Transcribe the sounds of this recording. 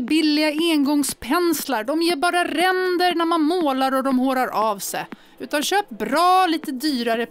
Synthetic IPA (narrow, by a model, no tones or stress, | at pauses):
bɪlːɪɡaeːnɡɔŋspʰɛnslaɾɖɔmjeːɾbɑːɾaɾɛnd̪əɾnæɾmanmoːlaɾɔd̪ɔmhoːɾaɾʔɑːvsɛ̰j | ʉ̟ːt̪anɕøːp̚bɾɑːliːt̪əd̪yːɾaɾə